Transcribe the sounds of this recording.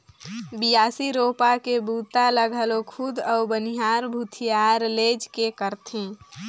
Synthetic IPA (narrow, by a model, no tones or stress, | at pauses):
bɪjaːsiɾoːpakebʱuːt̪aləɡʱəlokʰʊd̪ɔʊbəniɦaːɾbʱut̪ʰijaːɾleːd͡ʒkekəɾt̪ʰẽː